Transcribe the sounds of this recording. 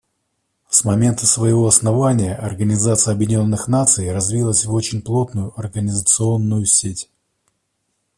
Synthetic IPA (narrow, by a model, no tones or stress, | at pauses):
smɐmʲe̞nt̪əsvəjɪvo̞ɐsnɐvanʲɪjəʔɐrɡənʲɪzat̪sɨjəɐbjɪdʲɪnʲo̞nːɨxnat̪sɨjrɐzvʲilˠəsʲvo̞t͡ɕɪnʲplˠo̞t̪nʊjʊɐrɡənʲɪzət̪sɨo̞nːʊjʊsʲetʲ